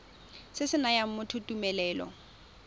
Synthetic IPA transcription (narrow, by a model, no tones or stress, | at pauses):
sɪsɪnajam̩mʊtʰʊtʼumɛlɛːlɔ̰